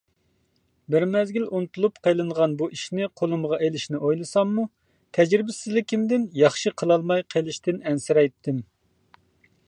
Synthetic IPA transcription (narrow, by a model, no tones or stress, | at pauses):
bɪɾmɛzɡʲilunɨt̪ʰulˠupqʰejlˠɨɴʁɑnbuʔiʃnɪqʰolˠɨmʁɑʔelɪʃnɪʔojlˠɨsɑmːu | t̪ʰɛd͡ʒɾɪbɪsɪzlɪkʲʰɪmd̪ɪnjɑχʃɨqʰəlˠɑlˠmɑjqʰelˠɪʃt̪ɪnɛnsɪɾɛjt̪ʰːɪm